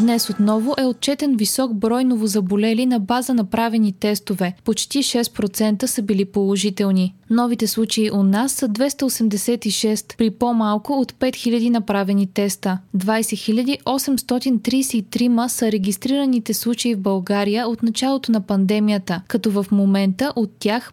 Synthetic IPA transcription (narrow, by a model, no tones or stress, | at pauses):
d̪nɛsot̪nɔvʊʔɛot̪̚t͡ʃɛt̪ɛnvisɔɡbɾɔjnovozɐbolɛlinɐbazənɐpɾavɛnit̪ɛst̪ovɛpot͡ʃt̪iʃɛst̪̚pɾot̪sɛnt̪əsəbilipolˠoʒit̪ɛlˠninɔvit̪ɛslˠut͡ʃəiʔot̪nasːəd̪vɛst̪əosɛmd̪ɛsɛt̪iʃɛst̪pɾipomalˠkʊot̪pɛt̪xilʲɐd̪inɐpɾavɛnit̪ɛst̪əd̪vajsɛxilʲəd̪iʔɔsɛmst̪ɔt̪int̪ɾijsɛit̪ɾiməsəɾɛɡʲist̪ɾiɾənit̪ɛslˠut͡ʃəivbɐlˠɡaɾijəot̪nɐt͡ʃalˠot̪onɐpɐnd̪ɛmijət̪əkɐt̪ɔvəfmomɛnt̪əʔot̪ːjax